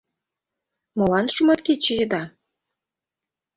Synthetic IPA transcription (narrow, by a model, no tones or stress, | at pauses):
molɑnʃumɑt̪ket͡ɕĕjə̆d̪ɑ